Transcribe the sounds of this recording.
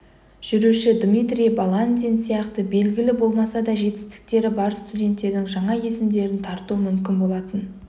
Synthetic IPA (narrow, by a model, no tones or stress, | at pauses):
ʒ̥ʏɾuʃɪd̪mit̪rʲijbalˠanʲd̪insijɑqt̪əbe̞lɡʲɪlɪbo̞lˠmɑsɑd̪ɑʒe̞t̪ɪ̥st̪ɪ̥k̚t̪e̞ɾɪbɑɾst̪udʲe̞nt̪ːe̞ɾd̪ɪŋʒɑɴɑje̞sɪmd̪e̞ɾɪnt̪ʰɑɾt̪uwəmʏmkʲɪnbo̞lˠɑt̪ən